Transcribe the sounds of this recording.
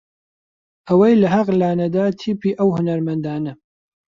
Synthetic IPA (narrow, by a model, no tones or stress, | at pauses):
ʔɐwɐjlɐɦɐqlaːnɐd̪aːt̪ʰiːpiːʔɐwhʊnɐɾmɐnd̪aːnɐ